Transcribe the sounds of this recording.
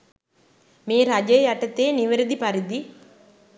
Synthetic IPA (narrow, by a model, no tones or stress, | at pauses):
meːɾad͡ʒɐjjaʈɐt̪eːniʋɐɾɐd̪ipaɾid̪i